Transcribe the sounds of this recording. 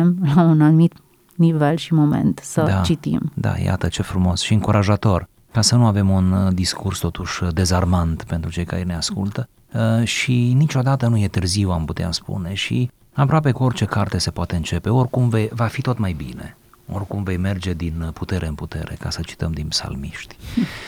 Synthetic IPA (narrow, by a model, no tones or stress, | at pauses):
mlaunanumit̪ | nivelʃimo̞mḛnt̪səd̪at͡ʃit̪ḭmd̪a̰ja̰t̪ət͡ʃe̞fɾumo̞sʃiɨŋkuɾʔaʒat̪o̞r | kasənuave̞mund̪iskurst̪o̞t̪uʃd̪e̞zarmant̪pe̞nt̪ɾut͡ʃe̞jka̰ɾene̞askult̪ə | ʃinit͡ʃo̞d̪at̪ənuje̞t̪ɨrziwamput̪ea̰spṵne̞ʃḭ | apɾoape̞kuo̞rt͡ʃe̞kart̪e̞se̞poat̪e̞ɨnt͡ʃe̞pe̞o̞rkumve̞jvafit̪o̞t̪majbine̞̰ | o̞̰rkumve̞jme̞rd͡ʒe̞d̪input̪e̞ɾʔe̞ɨnput̪e̞̰ɾe̞̰kasət͡ʃi̥t̪əmd̪inpsa̰lmiʃt̪ʲ